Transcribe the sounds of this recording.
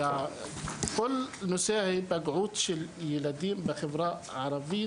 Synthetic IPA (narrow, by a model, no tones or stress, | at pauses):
a | kʊlːnʊsaːhibaɡʕuːd̪ʃijɪlad̪iːmbɪxɪbɾˤɑːʔʕɑɾˤɑbɪjː